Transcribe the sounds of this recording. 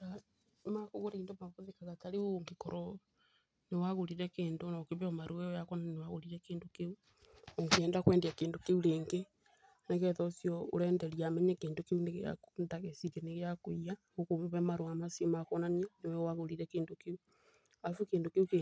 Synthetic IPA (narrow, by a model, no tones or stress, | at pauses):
a | makoɣoɾiːndomakoðekaɣataɾeoŋɡekɔɾʔɔ | newaɣoɾiɾɛkeːndonakeβeɔmaɾoɛɔjakɔnaninewaɣoɾiɾɛkeːndokeu | oŋɡeɛːndakwɛːndeakeːndokeuɾeːŋɡe | nɛɣɛðɔsjɔo̰ɾɛːndɛɾiamɛɲɛkeːndokeuneɣea̰ndaɣesiɾeneɣeakoiaŋɡokomβɛmaɾoamasimakɔnanianewɛwaɣoɾiɾɛkeːndokeu | afukeːndokeuke